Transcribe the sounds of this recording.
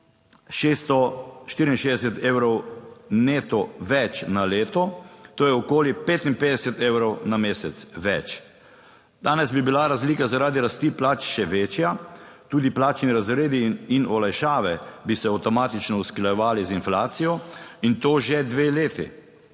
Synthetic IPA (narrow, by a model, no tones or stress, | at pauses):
ʃeːst̪ɔʃt̪iːɾinʃeːzd̪ɛsɛt̪eːwɾɔwneːt̪ɔʋɛt͡ʃnaleːt̪ɔt̪oːjɛɔkoːlipeːt̪inpeːd̪ɛsɛt̪ewɾɔwnameːsɛt̪sʋɛt͡ʃ | d̪aːnɛzbibilaɾazliːkazaɾaːd̪iɾast̪iplat͡ʃʃɛʋeːt͡ʃjat̪uːd̪iplaːt͡ʃniɾazɾeːd̪iːnɔlajʃaːʋɛbisɛawt̪ɔmaːt̪it͡ʃnɔusklajɛʋaːlizinflaːt̪sijɔint̪oːʒed̪ʋeleːt̪ḭ